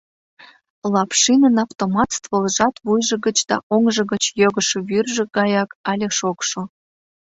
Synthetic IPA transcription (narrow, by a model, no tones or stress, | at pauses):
lɑpʃinənɑft̪omɑt̪st̪vəlʒɑt̪βujʒə̆ɣə̆t͡ɕd̪̥ɑ̰ʔoŋʒə̆ɣət͡ɕjøɣə̆ʃoβyrʒĕɡɑjɑkɑlʲeʃokʃo